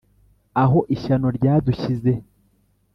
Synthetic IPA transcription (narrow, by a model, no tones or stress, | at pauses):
aɦo̞ʔiʃano̞ɾɟaːduçize̞